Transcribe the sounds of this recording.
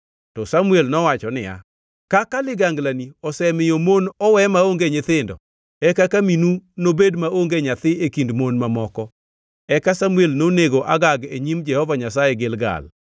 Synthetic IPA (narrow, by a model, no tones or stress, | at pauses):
tɔsamuelnɔwat͡ʃɔnɪja̰ | kakalɪɡaŋɡlaniɔsɛmɪjomonɔwɛmaoŋɡeɲɪt̪ɪndɔ̰ | ɛkakaminunobedmaoŋɡeɲat̪ɪekindmonmamɔkɔ | ɛkasamuelnoneɡoʔa̰ɡaɡeɲimd͡ʒɛhɔvaɲasajɛɡɪlɡa̰l